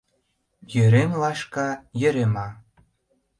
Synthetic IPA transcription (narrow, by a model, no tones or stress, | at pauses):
jøɾemlɑʃkɑjø̆ɾemɑ